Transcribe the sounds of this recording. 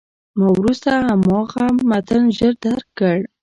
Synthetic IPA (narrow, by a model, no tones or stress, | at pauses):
mawɾust̪ahamɑɣamat̪ənʒəɾd̪aɾkːəɽ